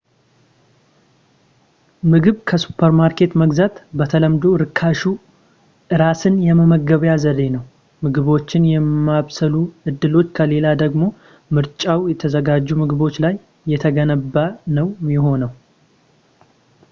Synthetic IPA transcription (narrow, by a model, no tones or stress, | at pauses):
mɨɡɨβkʰəsu̥pʰːəɾmaɾkʰe̞t̪məɡzat̪bət̪ʰələmd̪o̞ɾɨkʰːaʃu | ʔɨɾasɨnjɛməməɡːəβjazəɾe̞nəw | mɨɡɨβo̞t͡ʃːɪnjɛmːaβsəluʔɨd̪ːɨlo̞t͡ʃːkʰəle̞lad̪əɡmo̞ | mɨɾt͡ʃʼawjɛt̪ʰəzəɡad͡ʒːumɨɡɨβo̞t͡ʃːlajː | ɛt̪ʰəɡənəbːanəwmɪɦo̞nəw